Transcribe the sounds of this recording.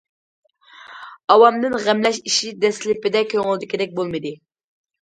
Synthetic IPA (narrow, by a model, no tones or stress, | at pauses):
ɑwɑmd̪ɨnʁæmlɛʃiʃid̪ɛslɪpɪd̪ɛkʲʰøŋɪlˠɪd̪ɪkʲʰɪd̪ɛk̚ʲbolˠmɨd̪ɨ